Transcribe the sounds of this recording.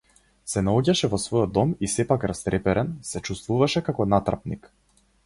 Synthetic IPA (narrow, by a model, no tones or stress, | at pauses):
sɛnaɔɟaʃɛvɔsvɔjɔd̪ːɔmisɛpakɾast̪ɾɛpɛɾɛnsɛt͡ʃust̪vuvaʃɛkakɔnat̪ɾa̰pnik